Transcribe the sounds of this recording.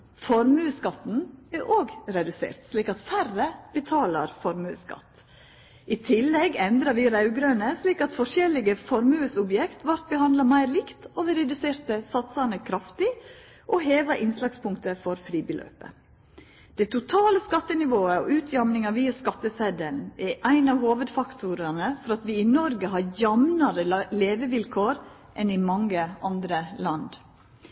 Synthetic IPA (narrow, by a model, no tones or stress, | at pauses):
fɔɾmʉːskɑt̪n̩æɾʔoːɡɾɛd̪ʉsḛːɾt̪sliːkɑt̪færəb̥ət̪ʰɑːlɑɾfɔɾmʉ̰ːskɑ̰t̪ː | ʔɪt̪ʰɪlːɛɡɛnd̪ɾɑɾʋɪɾɑʉɡɾøːnəsliːkɑt̪fɔʂɛlɪɡəfɔɾmʉːəsʊbjɛkt̪ʋɑɾt̪̚bəhɑnd̪lɑmæɪɾlɪkt̪oːʋɪɾɛd̪ʉseːɾt̪əsɑt̪sɑnəkʰɾɑft̪ɪ | ʔɔɦeːʋɑʔɪnslɑɡspʰʊŋkt̪əfɔɾfɾiːbəlʔø̰ːpə̰ | d̪̥ɛt̪ʰʊt̪ʰɑːləskɑt̪ːənɪʋoːəɔ̰ʔʉːt̪ʰjɑmnɪŋɑʋiːɑskɑt̪ːəsɛd̪əlnʔɛɾʔæɪnɑʋhoːʋəd̪fɑkt̪ʰʊɾənəfɔɾɑt̪ʋɪɪnɔɾɡəɦɑɾjɑmnɑɾəleːʋəʋɪlkʰoːɾ | ʔɛnɪmɑŋːəʔɑnd̪ɾəlɑnd̪